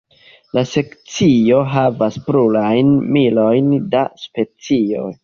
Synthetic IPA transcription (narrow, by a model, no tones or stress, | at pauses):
lase̞kt͡sio̞ɦavaspɾulajnmilo̞jndaspe̞t͡sio̞̰j